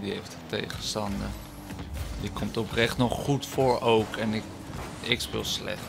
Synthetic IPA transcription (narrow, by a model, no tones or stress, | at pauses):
dieftətḛjχəstɑndə | dikɔmtɔprɛχtnɔχχutfoːɹoːkʰɛnɪk | ɪkspɪ̰lˠslɛ̰χ